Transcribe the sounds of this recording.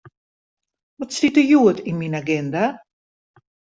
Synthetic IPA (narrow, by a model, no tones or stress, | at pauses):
ʋɔtsitəjuətinminaɡɛnda